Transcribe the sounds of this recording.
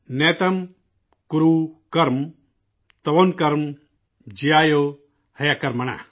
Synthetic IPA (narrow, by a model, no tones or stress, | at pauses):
net̪ɐm | kuɾukɐɾm | t̪ɐʋonkɐɾm | d͡ʒijaːjo | hɐjakɐɾmɐna̰